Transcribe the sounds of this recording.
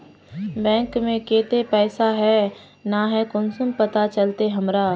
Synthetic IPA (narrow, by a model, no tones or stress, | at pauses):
bɛ̃ːŋkmẽkeːt̪epɛːsaɦɛ | naɦɛkʊnsʊmpɐt̪at͡ʃɐlt̪eɦɐmɾaː